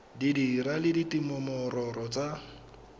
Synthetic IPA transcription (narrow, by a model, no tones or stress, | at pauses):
didiɾalɪditimʊmɔrɔrɔt͡sʼa